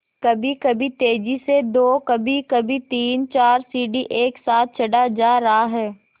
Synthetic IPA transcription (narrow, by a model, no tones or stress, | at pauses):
kɐbʱikɐbʱit̪eːd͡ʒised̪oːkɐbʱikɐbʱit̪iːnt͡ʃaːɾsiːɖiʔeːksaːt̪̚ʰt͡ʃʰɐɖad͡ʒaːɾɐɦaɦɛː